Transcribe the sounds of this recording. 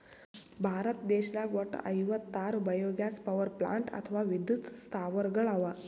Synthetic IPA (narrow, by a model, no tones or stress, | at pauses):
bʱaɾət̪d̪eɕlaɡʋəʈə̰jʋət̪ːaɾubəjoɡjaspəʋəɾpla̰ɳʈə̰t̪ʰəʋaʋid̪jut̪st̪ʰaʋəɾɡəɭaʋa